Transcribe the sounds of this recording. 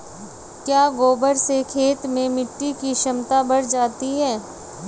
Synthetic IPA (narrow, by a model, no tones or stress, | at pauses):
kjaːɡoːbəɾsekʰeːt̪mẽmɪʈːikiʃɐmt̪abɐɽd͡ʒaːt̪iɦɛː